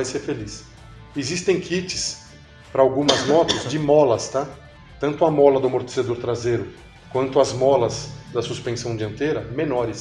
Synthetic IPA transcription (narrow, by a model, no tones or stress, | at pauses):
ajseɾfelis | ɪzist̪ẽj̃kʰit͡ʃɪ̥s | pɾɐawɡũmɐzmɔt̪ʊzd͡ʒɪmɔlɐst̪a | t̪ɐ̃nt̪ʊɐmɔlɐd̪ʊamoɾt̪e̥sed̪oɾt̪ɾazejɾʊ | kwɐ̃nt̪ʊɐzmɔlɐzd̪ɐsuspẽsɐ̃w̃d͡ʒiɐ̃nt̪eɾɐmẽnɔɾɪs